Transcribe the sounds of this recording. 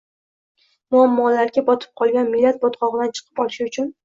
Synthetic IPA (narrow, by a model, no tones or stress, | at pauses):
mʊamːɒlaɾɡʲabɒt̪ʰɪ̥p̚qʰɒlˠɡʲanmɪlːat̪̚bɒt̪qɒʁɨd̪ant͡ʃʰɨ̥qʰɨ̥pɒlʃɪʊt͡ʃʰʊn